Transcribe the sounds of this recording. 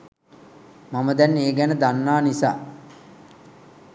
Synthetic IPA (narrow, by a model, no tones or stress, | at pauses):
maməd̪ɛnːeːɡɛnəd̪anːaːnisa̰ː